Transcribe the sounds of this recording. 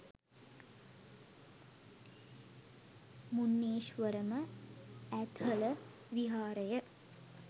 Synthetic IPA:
munːeːʃʋəɾəmə | æt̪ələ | ʋiɦaːɾəjə

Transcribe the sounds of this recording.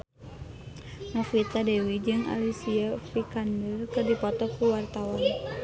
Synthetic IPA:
nɔfit̪adɛwid͡ʒɨŋa̰lisiafikandərkɨrdipɔt̪ɔkuwart̪awan

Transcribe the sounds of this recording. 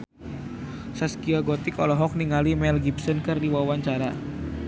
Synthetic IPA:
saskiaɡɔt̪ikɔlɔɦɔk̚niŋalimɛlɡipsənkɨrdiwawaɲt͡ʃaɾa

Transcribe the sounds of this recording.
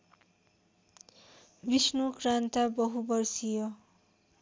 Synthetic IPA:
bisnukrant̪abʌɦubʌrsijo

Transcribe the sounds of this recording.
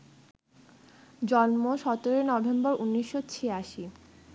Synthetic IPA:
d͡ʑɔnmoʃɔt̪oɾenɔbʱembɔɾunːiʃːot͡ɕʰeaʃi

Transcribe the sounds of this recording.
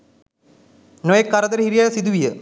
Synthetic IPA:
nojekːɐɾɐd̪ɐɾhiɾijaːjsid̪uʋijə

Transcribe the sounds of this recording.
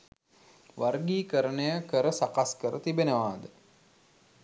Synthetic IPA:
ʋarɡiːkəɾənəjəkəɾəsakaskəɾət̪ibenəʋaːd̪ə

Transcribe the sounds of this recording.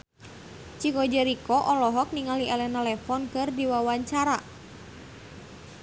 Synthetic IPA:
t͡ʃikɔd͡ʒəɾikɔʔɔlɔɦɔk̚niŋaliʔɛlɛnɛlɛfɔnkɨrdiwawaɲt͡ʃaɾa

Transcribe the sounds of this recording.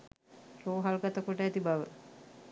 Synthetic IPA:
roːɦalɡat̪əkoʈəæt̪ibaʋə̰

